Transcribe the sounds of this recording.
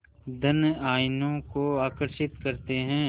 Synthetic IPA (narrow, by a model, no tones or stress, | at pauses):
d̪ʱɐnaːɪnõkoaːkəɾʃɪt̪kɐɾt̪eɦɛ̃ː